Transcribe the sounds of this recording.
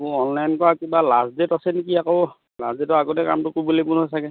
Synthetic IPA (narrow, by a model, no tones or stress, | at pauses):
muɔnlajnkɔɹakibalasdetasɛnikiakɔ | lasdetɔaɡotɛka̰mtʊkubolipunɦojsʰakɛ